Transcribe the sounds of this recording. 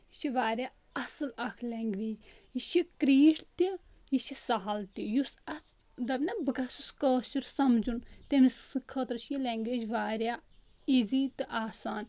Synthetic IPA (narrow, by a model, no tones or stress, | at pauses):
jiʃiʋaːɾʲjaː | ɐsɨlɐkʰlɛŋɡʋeːd͡ʒjiʃikɾiːʈʰt̪i | jiʃisaɦalt̪ijusɐs | d̪ɐbnabɨɡɐsuskəːt͡ʃiɾsɐmd͡ʒunt̪emisɨkʰɐt̪ɾt͡ʃʰjileŋɡʋeːd͡ʒʋaːɾʲjaː | iziːt̪ɨʔaːsaːn